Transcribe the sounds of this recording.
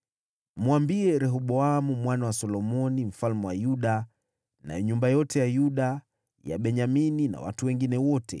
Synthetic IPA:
muambiɛɾɛɦɔɓɔamumwanawasɔlɔmɔnim̩falmɛwa̰juɗa | na̰jɛɲumbajɔtɛjajuɗa | ja̰ɓɛɲaminina̰wa̰tuwɛŋɡinɛwɔtɛ̰

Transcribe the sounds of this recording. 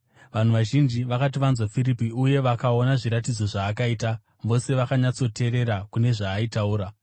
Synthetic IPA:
ʋan̤uʋaʒind͡ʒiʋakat̬iʋanzwafiɾipiuje̞ʋakao̞naʐiɾatid͡zo̞ʐaːkaiːta | ʋo̞se̞ʋakaɲat͡so̞te̞ɾe̞ɾakune̞ʐaːitauːɾa

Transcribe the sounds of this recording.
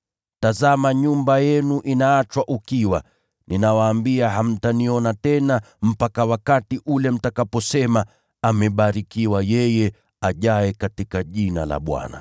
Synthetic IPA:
tazamaɲumbajɛnuʔinaːt͡ʃwaʔukiwa | nʔinawaːmbiaɦam̩taniɔnatɛna | m̩pakawakatiʔulɛm̩takapɔsɛma | amɛɓaɾikiwajɛjɛ | aʄaɛkatikaʄina̰la̰ɓwa̰na̰

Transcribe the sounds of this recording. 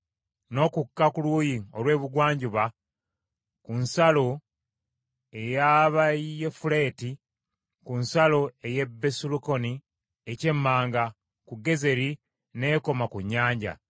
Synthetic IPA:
no̞kukːakuluːjio̞lwe̞ːβuɡwaːɲɟuβa | kunsalo̞ | e̞jaβaefule̞ːti | kunsalo̞e̞je̞bːesuluko̞ni | ece̞mːaːŋɡa | kuɡe̞ze̞ɾi | ne̞ːko̞makuɲːaːɲɟa̰

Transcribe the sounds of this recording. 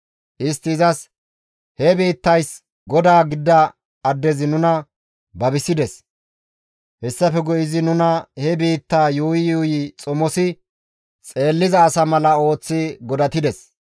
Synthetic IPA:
ʔɪst̪ːɪːzɐs | hɛbiːt̪ːɐjs | ɡɔd̪aːɡɪd̪ːɐ | ɐd̪ːɛzɪnʊnɐ | bɐbɪsɪd̪ɛs | hɛsːɐfɛɡɔʔɪzɪnʊnɐhɛbiːt̪ːaːjuːjɪjuːjɪt͡sʼɔmɔsɪ | t͡sʼe̞ːlːɪzɐːsɐmɐlɐo̞ːt͡sːɪɡɔd̪ɐt̪ɪd̪ɛs

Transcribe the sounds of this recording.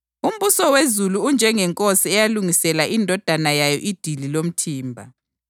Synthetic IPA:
um̩βusɔwezuluːnd͡ʒʱɛŋɛŋkʼosiɛjaluŋisɛlaʔindʱɔd̥ʱanajajɔʔid̥ʱililom̩tʰiːmbʱa

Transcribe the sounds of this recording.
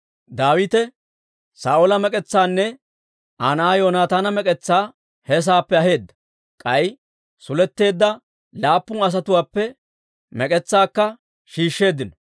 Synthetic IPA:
d̪aːwɪt̪ɛ | saːʔɔlɐmɛkʼɛt͡sːaːnːɛ | ʔanaːjoːnaːt̪aːnɐmɛkʼɛt͡sːaː | hɛs̬aːpːɛɐɦe̞ːd̪ːɐ̥ | kʼɐj | sʊlɛt̪ːe̞ːd̪ːɐ | laːpːʊŋɐs̬ɐt̪ʊwaːpːɛ | mɛkʼɛt͡sːaːkːɐ | ʃiːʃːe̞ːd̪ːɪnɔ

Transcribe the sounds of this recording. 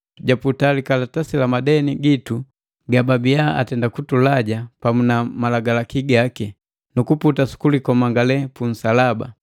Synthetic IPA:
ɟaputalikalatasilamadɛniɡitu | ɡababijaʔa̰tɛndakutulaɟapamunamalaɡalakiɡaki | nukuputasu̥kulikɔmaŋɡalɛpun̩salaba̰

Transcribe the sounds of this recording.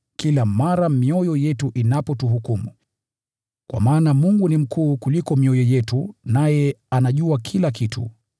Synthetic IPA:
kilamaɾamiɔjɔjɛtuʔinapɔtuɦukumu | kwʔa̰maːnamuŋɡunim̩kʰuːkulikɔmiɔjɔjɛtunajɛanaʄuakʰilakitʰṵ

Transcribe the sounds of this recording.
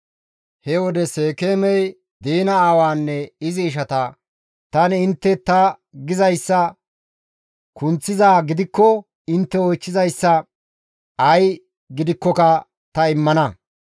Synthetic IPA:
hɛwɔd̪ɛseːkeːmɛj | d̪iːnɐaːwaːnːɛɪzɪːʃ̬ɐt̪ɐ | t̪ɐnɪnt̪ːɛt̪ɐ | ɡɪzɐjsːɐ | kʊnt͡sːɪzaːɡɪd̪ɪkːɔ | ɪnt̪ːɛɔjt͡ʃːɪzɐjsːɐ | ɐj | ɡɪd̪ɪkːɔkɐ | t̪ɐɪmːɐnɐ

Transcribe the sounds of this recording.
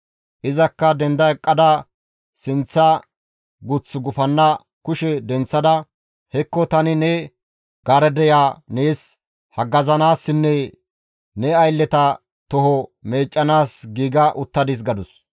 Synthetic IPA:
ʔɪzɐkːɐd̪ɛnd̪ɐɛkʼːɐd̪ɐ | sɪnt͡sːɐ | ɡʊt͡sːʊɡʊfɐnːɐ | kʊʃɛd̪ɛnt͡sːɐd̪ɐ | hɛkːɔt̪ɐnɪnɛ | ɡ̥aːɾɛd̪ɛjaːneːs | hɐɡːɐzɐnaːsːɪnːɛ | nɛɐjlːɛt̪ɐ | t̪ɔɦɔme̞ːt͡ʃʼːɐnaːsɡiːɡɐʔʊt̪ːɐd̪ɪs̬ɡɐd̪ʊs

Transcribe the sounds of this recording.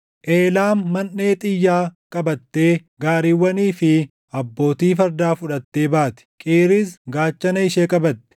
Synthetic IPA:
ʔeːlaːmːɐnːe̞ːt̪ʼɪjːaːkʼɐbɐt̪ːe̞ːɡaːɾiːwːɐniːfɪ | ɐbːo̞ːt̪iːfɐɾd̪aːfʊᶑɐt̪ːe̞ːbaːt̪ɪ̥kʼeːɾiːsɡaːt͡ʃːɐnɐɪʃeːkʼɐbɐt̪ːɛ̥

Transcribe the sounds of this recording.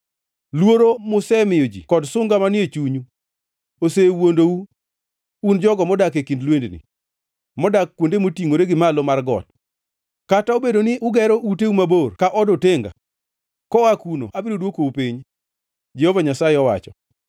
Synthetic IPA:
lwoɾomʊsɛmɪjod͡ʒikɔdsʊŋɡamanɪet͡ʃuɲu | osewondouː | nd͡ʒɔɡɔmɔdakekindlwendnɪ̰ | mɔdakːwondemotiŋoɾeɡɪmalomarɡɔ̰t̚ | kataobedonɪʔʊɡɛɾɔʔuteumaborkaʔɔdoteŋɡa̰ | kɔakuno̰ʔabɪɾodwokoupiɲ | d͡ʒehovaɲasaɪɔwa̰t͡ʃɔ̰

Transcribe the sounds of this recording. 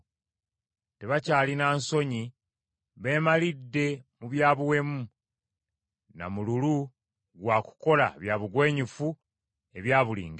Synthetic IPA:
te̞βacaːlinaːnso̞ɲi | βe̞ːmalidːe̞muβjaːβuwe̞mu | na̰mululu | ɡwaːku̥ko̞la̰βjaːβuɡwe̞ːɲufu | e̞βjaːβulḭːŋɡe

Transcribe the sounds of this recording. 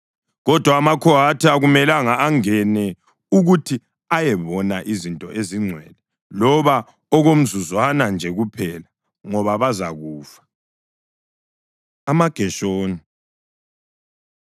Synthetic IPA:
ɣɔd̥ʱwaːmakʰɔɦatʰiaɣumɛlaŋaːŋɛnɛ | uɣutʰi | ajɛβɔnaʔizintʼɔʔeziŋ͡ǀʱwɛlɛ | lɔβa | ɔɣom̩zuzɔanand͡ʒʱɛɣupʰɛla | ŋɔβaβazaɣuːfḁ | amaɡ̥ʱɛʃoːni

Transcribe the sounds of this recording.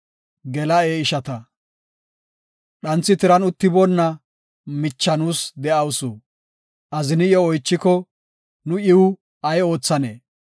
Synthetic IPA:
ɡɛlɐeːɪʃɐt̪ɐ | ɗɐnt͡sːɪt̪ɪɾɐnʊt̪ːɪbɔnːɐ | mɪt͡ʃːɐnuːsd̪ɛɐwsu | ʔɐzɪnɪjɔːjt͡ʃːɪkɔ | nʊʔɪwʊ | ɐjo̞ːt͡sːɐnḛː

